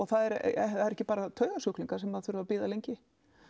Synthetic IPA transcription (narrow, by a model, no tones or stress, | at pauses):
ɔɣθaðɛɾɛθaðɛɾɛhcːɪpaːɾat̪ʰœːɥɣasʏkliŋkasɛmaðθʏɾʏvapiːðalejɲcɪ